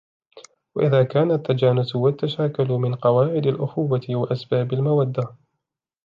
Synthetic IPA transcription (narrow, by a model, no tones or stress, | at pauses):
waʔɪðaːkaːnat̪ːad͡ʒaːnʊsʊwat̪ːaʃaːkʊlmɪnqɑwaːʕɪd̪alʔʊxuːwat̪ɪwaʔasbaːbalmawad̪ːa